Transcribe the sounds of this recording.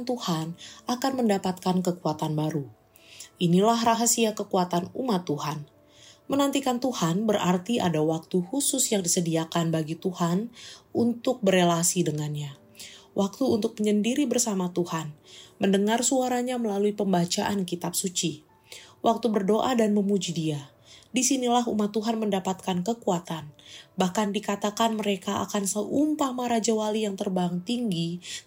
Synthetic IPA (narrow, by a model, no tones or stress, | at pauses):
nt̪uhanʔakanməndapat̪̚kankəkuat̪anbaɾu | ʔinilahraɦasiakəkuat̪anumat̪ːuhan | mənant̪ikant̪uhanbərʔart̪iʔa̰dawak̚t̪uhusʊsjaŋdisədiakanbaɡit̪uhanunt̪ʊk̚bərelasidəŋanɲa | wʔak̚t̪uːnt̪ʊk̚məɲəndiɾibərsamat̪uhanməndəŋarsuaɾaɲaməlaluipəmbat͡ʃaʔankit̪ap̚sut͡ʃi | wʔak̚t̪ubərdoʔadanməmud͡ʒidia | disinilaɦṵmat̪ːuɦanməndapat̪̚kankəkuat̪anbahkandikat̪akanməɾekaa̰kansəʔumpamaɾad͡ʒawalijaŋt̪ərbaŋt̪iŋɡi